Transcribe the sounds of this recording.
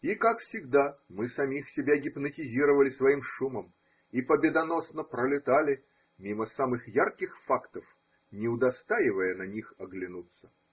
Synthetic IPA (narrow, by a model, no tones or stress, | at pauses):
ikakfsʲɪɡd̪amɨsɐmʲixsʲɪbʲaɡʲɪpnətʲɪzʲiɾəvəlʲɪsvɐimʂuməm | ipəbʲɪd̪ɐno̞snəpɾəlʲɪt̪alʲɪ | mʲiməsamɨxjarkʲɪxfakt̪əf | nʲɪʊd̪ɐst̪aɪvəjənɐnʲixɐɡlʲɪnut̪sːə̥